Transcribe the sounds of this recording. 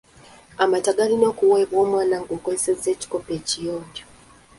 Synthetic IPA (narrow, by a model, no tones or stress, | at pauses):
amataɡalino̞ːkuweːβwo̞ːmwaːnaŋɡoːkozesezːe̞ːci̥ko̞pe̞ːcijoːɲɟo